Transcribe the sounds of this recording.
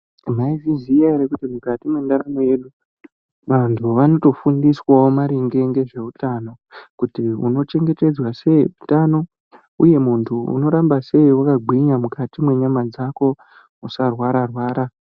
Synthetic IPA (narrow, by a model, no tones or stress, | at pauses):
maizizijaeɾekutimukatimwendaɾano̞je̞ɗu | ʋantʰuʋano̞to̞fundiswaomaɾiŋɡe̞ŋɡe̞ʐe̞utano̞ | kutiṵno̞t͡ʃe̞ŋɡe̞te̞d͡zwase̞utano̞ | uje̞muntʰuṵno̞ɾambase̞iwakaɡʱiɲamukatimwe̞ɲamad͡zako̞ | usarwaɾarwaːɾa